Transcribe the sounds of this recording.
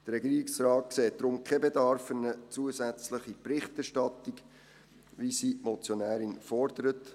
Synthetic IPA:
d̥əɾɛɡiːɾiksrɑːt̚kseːt̚d̥ɾʊmkʰɛbedɑɾfənət͡suəsæt͡sləχipɾɪχtæʃtɑtːiɡ | ʋisimɔt͡sjonæːɾinfɔrd̥əɾət

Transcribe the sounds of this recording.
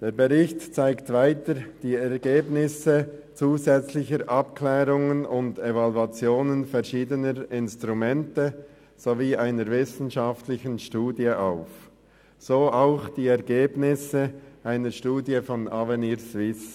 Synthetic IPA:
d̥eːɾbeʁɪçtt͡saɪktvaɪtəɾd̥iːɛʁɡ̥eːbnɪsət͡suːzɛt͡slɪçəɾʔɑpklɛːɾʊŋənʊndevaluat͡sjoːnənfɛʁʃiːdənəɾɪnstʁumɛntə | z̥oviːʔaɪnəɾvɪsn̩ʃɑftlɪçənʃtuːdjəʔaʊf | z̥oːʔaʊxd̥iːɛʁɡeːbnɪsəʔaɪnəɾʃtuːdjəfɔnaveniːɾsvɪs

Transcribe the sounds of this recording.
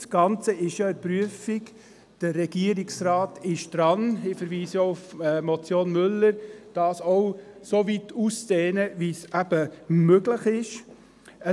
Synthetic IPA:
sɡ̥ɑnt͡səɪʃjoɛɾpɾyəfik | d̥əːɛɡ̥iəɾɪksraːtɪʃd̥ɾɑnɪfəɾʋiːsjoufmɔt͡sjoːnmʏlːəɾd̥ɑːsɔw | sovitʰust͡seːnəʋisæb̥əmøɡləχɪʃ | ə

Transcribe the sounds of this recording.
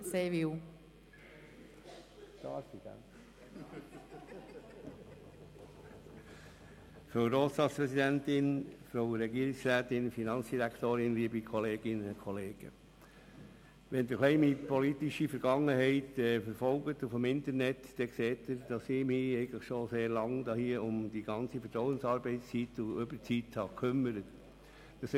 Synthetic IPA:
seːvɪw | tɑːɾsidæ̰m | fɾoʊɾoːsɑspɾɛsidæntɪnfɾoʊɾɛɡiəɾɪksɾæːt̪ɪnfinɑnsd̥iɾækt̪oːɾɪnliəbikʰɔleːɡ̥ɪnəkʰɔleːɡ̥ə̰ | ʋɛnd̪əxlɛɪmipʰɔlit̪iʃifəɾɡɑŋːəhɛɪtɛːfəɾfɔlɡət̪ʊfəmɪnt̪əɾnɛtd̥ɛkseːtəɾd̥ɑsɪmiɛɪɡən̩ləχʃoseːɾlɑŋd̪ɑːhiəʊmd̥iɡ̥ɑnt͡sifəɾtɾɔʊwənsɑːɾbɛɪst͡sitʊʏbəɾt͡sithɑkʰʏmːəɾət | d̥ɑs

